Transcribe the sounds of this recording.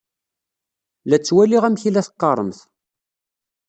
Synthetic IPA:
læt͡sːwæliʁæmçilæθqːɑɾˤəmθ

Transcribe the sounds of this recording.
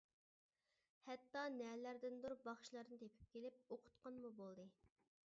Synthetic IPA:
hɛt̪ːɑnɛlæɾd̪ɪnd̪uɾbɑχʃlˠɑɾnɨt̪ʰepʰɪ̥p̚kʲelɪp̚oqʰʊ̥t̪qʰɑnmubolˠd̪ɨ

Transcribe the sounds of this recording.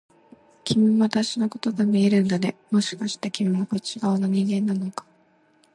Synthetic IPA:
kʲʰimʲiβat̪aɕinoko̞t̪o̞ɡamieɾɯ̟̃nd̪ad̪e̞mo̞ɕi̥kaɕi̥t̪ekʲimʲiakot͡ɕiɡaɯnoɲ̟ĩŋɡẽ̞nːano̞kḁ

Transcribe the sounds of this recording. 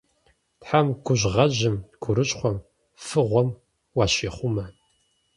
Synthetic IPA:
tħamɡʷʊʑʁɐʑɪmɡʷʰʊɾɨɕʼχʷɔm | fɨʁʷɔm | wɑːɕeːχʷʊmɐ

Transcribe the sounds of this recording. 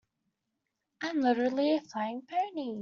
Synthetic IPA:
ʔãmlɪɾə˞l̩ˠiəflaɪɪ̃ŋbʰɜ˞ni

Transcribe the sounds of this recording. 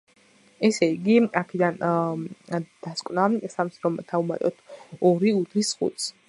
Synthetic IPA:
ɛsɛiɡiakʰɛd̪an | d̪̥askʼwnasamsɾɔmt̪ʰauma̰t̪ʼɔt̪ʰɔɾiut̪ʰɾisχṵt̪s

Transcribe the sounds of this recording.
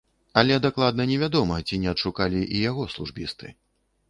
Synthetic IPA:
ɐlʲɛd̪aklˠad̪̚nɐnʲɛvʲad̪ɔmɐt͡sʲinʲɛɐt̪ʂukalʲiʔijaɣɔslˠuʐbʲḭst̪ɨ̰

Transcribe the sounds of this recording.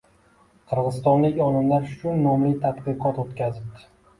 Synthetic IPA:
qʰɨɾʁɨzst̪ɒnlɪkʲɒnɪmlaɾʊt͡ʃʰʊnːɒmlɪt̪ʰad̪qɨqʰɒt̪ot̪kʲazɪp̚d̪̥ʰɪ̥

